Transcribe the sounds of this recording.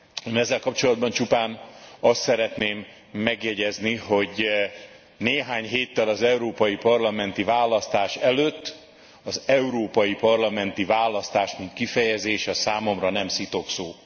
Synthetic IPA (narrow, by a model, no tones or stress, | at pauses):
mɛzːɛlkɒpt͡ʃo̞lɒd̪̚bɒnt͡ʃupaːnɒst̪sɛɾɛt̪neːmː | ɛɡjɛɟɛzniɦo̞ɟ | neːɦaːɲɦeːt̪ːɛlɒzɛuɾoːpɒjipɒrlɒmɛnt̪ivaːlɒst̪aːʃɛløːt̪ː | ɒzɛuɾoːpɒjipɒrlɒmɛnt̪ivaːlɒst̪aːʃmint̪kifɛjɛzeːʃɛsaːmo̞mrɒnɛmsit̪o̞ksoː